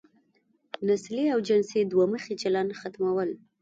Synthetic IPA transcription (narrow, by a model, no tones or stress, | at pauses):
nasleawd͡ʒɪnsed̪waməxet͡ʃalanxat̪mawəl